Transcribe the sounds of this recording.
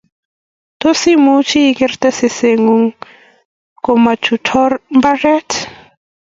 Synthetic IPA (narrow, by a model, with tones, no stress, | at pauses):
t̪osi˦mu˦t͡ʃiː˦kɛ˦rt̪a˦se˨seŋuŋ | koma˨t͡ʃutʰɔrmba˦rɛ˦t